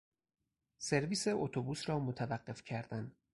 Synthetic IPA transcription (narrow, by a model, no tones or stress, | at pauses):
se̞ɾviːseot̪ʰobuːsɾɒːmot̪ʰævæɢːe̞fcʰæɾd̪æn